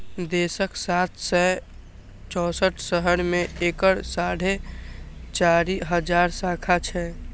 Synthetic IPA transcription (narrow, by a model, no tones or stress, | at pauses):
d̪eːsəksaːt̪ʰsɛ | t͡ʃɔːsəʈʰsəɦəɾmẽeːkəɽsaːɽ̤ʱe | t͡ʃaːɾiɦəd͡ʒaːɾsaːkʰat͡ʃʰɛː